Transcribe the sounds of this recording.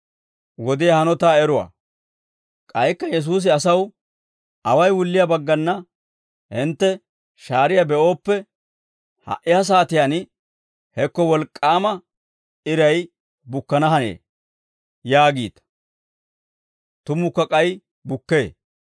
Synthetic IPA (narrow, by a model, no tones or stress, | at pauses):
wɔd̪ɪjɐhɐnɔt̪aːɛɾʊwɐ̰ː | kʼɐjkːɐjɛs̬uːs̬ɪɐsɐw | ʔɐwɐjwʊlːɪjɐbɐɡːɐnːɐ | hɪnt̪ːɛ | ʃaːɾɪjɐbɛʔo̞ːpːɛ | hɐ̰ʔɪhɐs̬aːt̪ɪjan | hɛkːɔwɔlkʼːaːmɐ | ɪɾɐj | bʊkːɐnɐɦɐnḛː | jaːɡiːt̪ | t̪ʊmʊkːɐkʼɐj | bʊkːe̞ː